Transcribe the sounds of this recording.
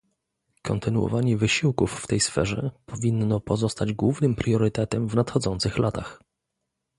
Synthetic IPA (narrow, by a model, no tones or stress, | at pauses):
kɔnt̪ɘnuwɔ̰vaɲɛvɘɕiwkufːt̪ɛjsfɛʐɛpʰɔvʲinːɔpɔzɔst̪ad͡ʑɡwuvnɘmpɾjɔɾɘt̪ɛt̪ɛmvnat̪xɔd̪zɔnt̪sɘxlat̪ax